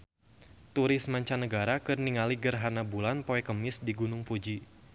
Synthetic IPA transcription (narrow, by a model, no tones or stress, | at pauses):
t̪uɾɪsmaɲt͡ʃanəɡaɾakɨrniŋaliɡərɦanabulanpoɛkəmɪsdiɡunʊŋpud͡ʒi